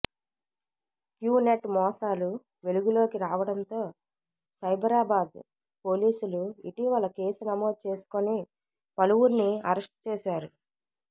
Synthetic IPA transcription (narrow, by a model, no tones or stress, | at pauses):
kjuːneʈmɔːsaːlu | ʋe̞luɡulo̞ːkiɾaːʋɐɽɐnt̪o̞ː | sɐjbʱɐɾaːbaːd̪ | po̞ːliːsuluḭʈiʋɐlɐke̞ːsunɐmo̞ːd̪̚t͡ʃe̞ːsu̥koni | pɐluwuɾniɐɾɐsʈ̚t͡ʃeːʃaːɾu